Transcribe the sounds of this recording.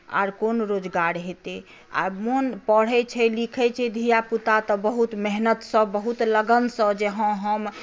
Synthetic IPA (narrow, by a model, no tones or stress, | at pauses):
a̰ɾkonɾod͡ʒɡaɾɦet̪e | a̰monpəɽ̤ɛt͡ʃʰɛlikʰɛt͡ʃʰɛd̪ʱijaput̪at̪ɔbəɦut̪meɦnət̪səbəɦut̪ləɡənsəd͡ʒeɦə̃ɦəm